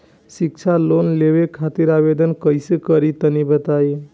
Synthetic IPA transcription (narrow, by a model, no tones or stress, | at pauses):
sik̚t͡ʃʰalonleʋekʰat̪iɾabed̪ənkəjsekəɾit̪ənibət̪aj